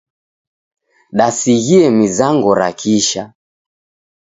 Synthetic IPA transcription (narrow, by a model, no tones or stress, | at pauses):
ɗasiɣiɛmizaŋɡɔɾakʰiʃa